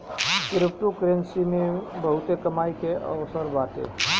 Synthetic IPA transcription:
kɾɪp̚ʈukɾensimebəɦut̪ekəmaikeʔə̰ʋsəɾbat̪ḛ

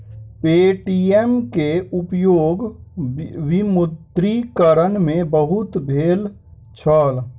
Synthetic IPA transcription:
peːʈiemkeʊpjoːɡ | ʋimʊd̪ɾikəɾənmẽbəɦʊt̪bʱeːl | t͡ʃʰɔːl

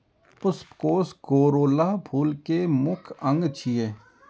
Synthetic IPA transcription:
pʊspkoːskoːɾoːlapʰuːlkemʊkʰə̃ŋɡt͡ʃʰieː

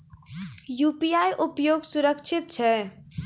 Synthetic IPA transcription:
jupijajʔupjoɡsuɾəkt͡ʃʰit̪̚t͡ʃʰɛ

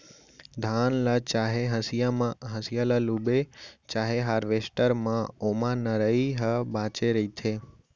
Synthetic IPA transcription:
d̪ʱaːnlət͡ʃaɦeɦəsijamãɦəsijaləlubet͡ʃaːɦeɦaːɾʋesʈəɾmãomãnəɾəiɦəbat͡ʃeɾəit̪ʰe

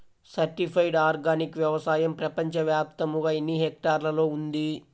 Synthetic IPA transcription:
sɐɾʈipʰɐjɖaːɾɡaːnikʋjɐʋɐsaːjɐmpɾɐpɐɲt͡ʃɐʋjaːp̚t̪ɐmuɡaːenːiɦek̚ʈaːɾlɐlo̞ːund̪i

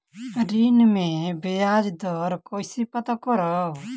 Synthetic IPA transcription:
ɾinmẽbejaːd͡ʒd̪ɔːɾkoːisipɐt̪akɔɾɔ

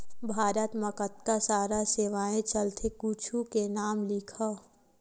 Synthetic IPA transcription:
bʱaːɾət̪məkət̪kasaːɾaseːʋaːẽt͡ʃəlt̪ʰekuːt͡ʃʰukenaːmlikʰə

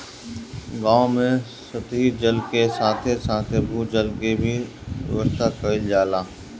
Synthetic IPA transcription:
ɡãːõmẽ | sɐt̪id͡ʒəlkesãːt̪ʰesãːt̪ʰebʱuːd͡ʒəlkebʱiʋə̰ʋəst̪ʰakəɪld͡ʒaːlãː

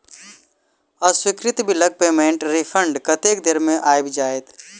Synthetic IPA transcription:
əswɪkɾɪt̪bʱilɐɡ̚peːmẽɳʈɾipʰəɳɖkɐt̪eːkd̪eɾmẽʔaːjbʱid͡ʒaːet̪

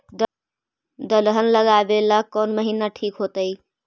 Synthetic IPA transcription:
d̪əlɦənləɡabelakɔnməɦinaʈʰikɦot̪əj

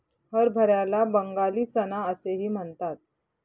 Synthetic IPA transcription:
həɾbʱəɾjalabəŋɡaliːt͡sənaəseɦiːm̤əɳt̪at̪̚

